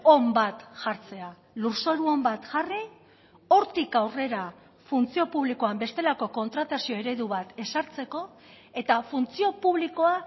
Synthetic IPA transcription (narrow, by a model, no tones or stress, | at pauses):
ombat̪ʝaɾt͡se̞a | luɾso̞ɾuo̞mbat̪ʝari | o̞ɾt̪ikawre̞ɾa | funt͡sio̞puβliko̞ambe̞st̪e̞lako̞ko̞nt̪ɾat̪asio̞e̞ɾe̞ðuβat̪e̞saɾt͡se̞ko̞ | e̞t̪afunt͡sio̞puβ̞liko̞a